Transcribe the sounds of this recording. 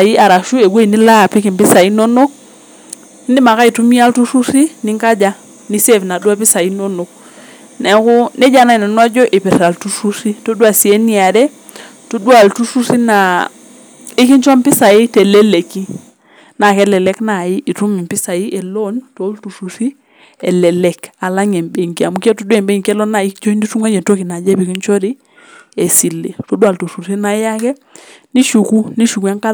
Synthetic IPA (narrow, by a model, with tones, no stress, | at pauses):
ji˦a˨ɾa˨ʃu˦e˨ɡʷwe˦i˨ni˦la˦˨pi˦ki˨mpi˦sa˨i˦no˦no˦k̚ | ni˦ndi˦ma˨ka˦i˨tu˦mi˦a˦ltu˦su˦si˦ni˦ŋka˦d͡ʒa˦ | ni˦se˦˨fna˨du˦a˦pi˦sa˨ji˦no˦no˨k̚ | nɛ˨˦ku˦ne˦ɟa˦na˦i˨no˨nwa˦d͡ʒo˦ʔi˨pi˨sa˨ltu˦su˦si˦to˦du˦a˨si˨e˦ni˦a˨dɛ˦ | to˦du˦a˨ltu˦su˦si˦na˨ | ɪ˦ki˦ɲt͡ʃɔ˦mpɪ˦sa˨i˦tɛ˨lɛ˦le˨ki˦ | na˨kɛ˦lɛ˨lɛ˦kna˨i˦ʔi˨tu˦mi˨mpɪ˦sa˨i˦ɛ˨lɔ˦nto˨˦ltu˨su˨si˦ | ɛ˨lɛ˨lɛ˦ka˨la˦ŋɛ˨mbe˨ŋki˦a˨mu˨˦ka˦tu˦dɛ˨mbe˦ŋkɛ˦lɔ˦na˨i˦kt͡ʃo˦i˦ndi˦tu˦ŋwa˦d͡ʒɛ˨to˦ki˨na˨d͡ʒɛ˦pi˨˦ki˦ɲt͡ʃɔ˦ɾi˦ | ɛ˨si˨lḛ˨to˦dwa˨ltu˨su˨si˦na˨˦a˦kɛ˦ | ni˦ʃu˨ku˦ni˦ʃu˨ku˨˦a˦ŋka˦